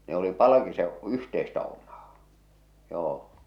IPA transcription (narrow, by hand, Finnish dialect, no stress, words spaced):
ne oli pɑlɑkiseʔ yhteistæ omˑɑː joː